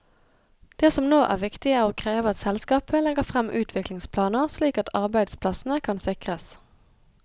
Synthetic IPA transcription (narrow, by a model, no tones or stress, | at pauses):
d̪̥eːsɔmnoːʔæ̰ːʁʋɪkt̪ɪæːʁoːkʰʁeːʋəɑt̪sɛlskɑːpəlɛɡəfʁɛmʔʉːt̪ʰʋɪklɪŋspʰlɑːnəʁsliːkɑt̪ʰɑʁbæɪd̪spʰlɑsn̩əkʰɑnsɪkʁəs